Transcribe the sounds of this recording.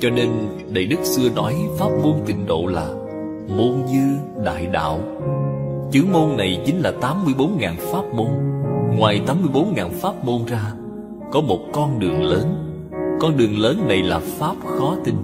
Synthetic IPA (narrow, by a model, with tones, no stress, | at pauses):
t͡ɕɔ˧ne˧n | ɗə˨˩jɗɨ˦˥k̚sɨ˧ənɔ˨˦jfaː˦˥p̚mo˧nt̪ï˨˩ŋ̟ɗo̰˧˨laː˨˩ | mo˧nzɨ˧ə | ɗa̰ː˧˨jɗa̰ː˧˨w | t͡ɕɨ˨˦əmo˧nːa˨˩jt͡ɕï˨˦ŋ̟laː˨˩t̪aː˨˦mːɨ˧əjɓo˨˦nŋaː˨˩nfaː˦˥p̚mo˧nŋwaː˨˩jt̪aː˨˦mɨ˧əjɓo˨˦nŋaː˨˩nfaː˦˥p̚mo˧nzaː˧ | kɔ˨˦mo˨˩t̚kɔ˧nɗɨ˨˩əŋləː˨˦n | kɔ˧nɗɨ˨˩əŋləː˨˦nːa˨˩jlaː˨˩faː˦˥p̚xɔ˨˦t̪ï˧ŋ